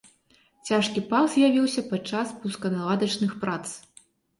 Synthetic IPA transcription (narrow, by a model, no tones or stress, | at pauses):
t͡sʲaʂkʲipaszʲjavʲiwsʲɐpat͡ʂaspuskɐnalˠad̪ɐt͡ʂnɨxpɾat̪s